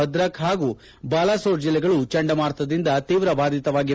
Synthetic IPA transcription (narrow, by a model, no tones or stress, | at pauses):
ɐd̪ɾɐkɦaːɡuː | baːlaːsoːɾd͡ʒilːɛɡɐɭut͡ʃɐɳɖɐmaːɾt̪ʰɐd̪ind̪ɐt̪iːʋɾɐbʱaːd̪it̪ɐʋaːɡi